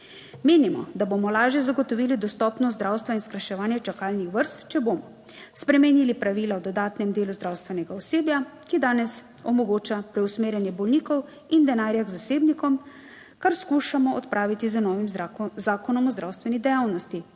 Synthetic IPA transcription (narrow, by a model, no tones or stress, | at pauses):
meːnimɔ̰d̪aboːmɔlaːʒjɛzaɡɔt̪ɔʋiːlid̪ɔst̪ɔːpnɔzd̪ɾaːwst̪ʋainskɾaʃɛʋaːnjɛt͡ʃakaːlnixʋəɾst̪t͡ʃɛboːmɔ | spɾɛmɛnilipɾaʋiːlawd̪ɔd̪aːt̪nɛmd̪eːluzd̪ɾaːwst̪ʋɛnɛɡaɔseːbjakid̪aːnɛs | ɔmɔɡoːt͡ʃapɾɛwsmeːɾjɛnjɛbɔlnikɔw | ind̪ɛnaːɾjaɡzaseːbnikɔm | kaɾskuːʃamɔɔt̪pɾʔaːʋit̪izənɔːʋimzaːkɔnɔmɔzd̪ɾawst̪ʋɛnid̪ɛjaːwnɔst̪i